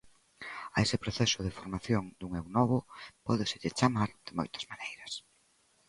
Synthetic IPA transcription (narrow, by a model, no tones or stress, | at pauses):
ɐesɪpɾoθɛsʊðɪfoɾmaθjoŋd̪uŋewnɔβ̞ʊpɔðɪsɪʎɪt͡ʃamaɾð̥ɪmo̰jt̪ɐ̥z̥manejɾɐs